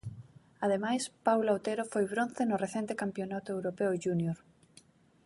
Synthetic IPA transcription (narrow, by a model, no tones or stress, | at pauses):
aðemajspawlawt̪eɾofojβɾõnθenoreθent̪ekampjonat̪oewɾopeoʝunjoɾ